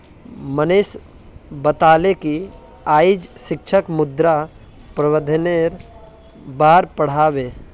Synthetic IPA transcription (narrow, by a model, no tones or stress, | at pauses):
məneːs | bət̪aːleki | aːid͡ʒʃɪk̚t͡ʃʰəkmʊd̪ɾa | pɾəwəd̪ʱəneɾ | baːɾpəɽ̤aːweː